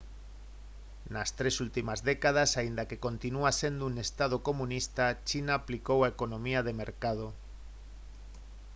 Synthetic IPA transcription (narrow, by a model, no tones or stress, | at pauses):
nast̪ɾe̞sult̪imazðe̞kað̞asaind̪ake̞ko̞nt̪inuase̞nd̪oune̞st̪að̞oko̞mũnist̪at͡ʃinaːplikowaeko̞nõmiaðe̞me̞ɾkað̞o